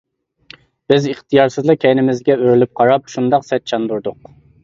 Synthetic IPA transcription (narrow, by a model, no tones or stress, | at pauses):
b̥ɪziχt̪ʰijɑɾsɨzlˠɨkʲʰɛjnɪmɪzɡʲɛøɾlyp̚qʰɑɾɑp̚ʃund̪ɑqsɛt̪̚t͡ʃʰɑnd̪uɾd̪ʊq